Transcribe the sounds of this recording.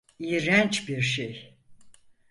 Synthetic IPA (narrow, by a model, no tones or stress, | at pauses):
iɾænt͡ʃbiɾʃej